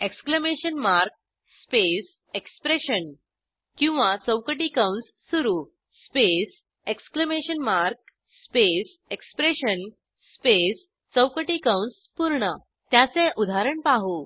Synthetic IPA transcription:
ekskləmeɕənmaɾk̚ | spes | ekspɾeɕən | kĩw̃ʋat͡səwkəʈikawnsːuɾuː | spes | ekskləmeɕənmaɾk̚ | spes | ekspɾeɕən | spes | t͡səwkəʈikawns | puɾɳə | t̪jat͡sẽʔud̪ʱaɾəɳpaɦu

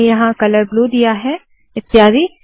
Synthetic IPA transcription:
jɐɦãkɐləɾblud̪ijaɦɛ | ɪt̪ːɪjaːzi

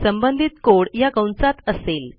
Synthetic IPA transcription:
səmbənd̪ʱit̪koɽjakəwnsat̪əsel

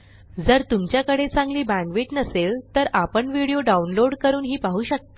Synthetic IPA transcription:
d͡zəɾt̪umt͡ɕjakəɽet͡sãŋɡliːbæ̃ŋkʋeʈnəselt̪əɾapəɳʋiɽioɖaunloɽkəɾuːnɦiːpaɦuːɕək̚t̪e̥

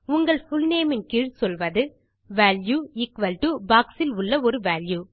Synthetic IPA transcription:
ʊŋɡɐɭfʊlneːmɪnkɪɻsɔlʋɐðɯ | ʋaːljuːɪkʋɐlʈubaːksɪlʊɭːɐɔɾɯʋaːljuː

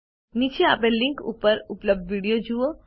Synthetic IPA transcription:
nit͡ʃeapẽlɪ̃ŋkṵːpəɾʊpləb̚d̪ʋiːɽijod͡ʒuo

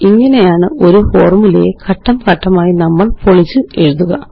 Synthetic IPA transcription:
iŋːɐne̞jaːɳɨʔo̞ɾuhoːrmilḛːkʰɐʈːɐmkɐʈːɐmaːjinɐmːɐɭpoɭit͡ɕːɨe̞ɻuðuɣɐ

